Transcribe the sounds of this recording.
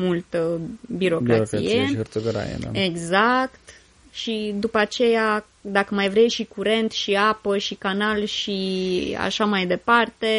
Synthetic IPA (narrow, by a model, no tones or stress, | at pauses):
mult̪əbiɾo̞bkiok̪ɾaḭjeəɾt̪soɡəɾa̰jḛd̪a̰eɡzakt̪ | ʃid̪upəat͡ʃe̞ja | d̪akəmajvɾe̞jʃikuɾe̞nt̪ʃiapəʃikanalʃia̰ʃamajd̪e̞part̪e̞